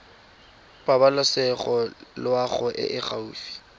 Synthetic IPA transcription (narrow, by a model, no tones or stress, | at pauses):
pʼabalʊsɛχɔlwaχʊʔɪ̰ʔɪχauːfi̥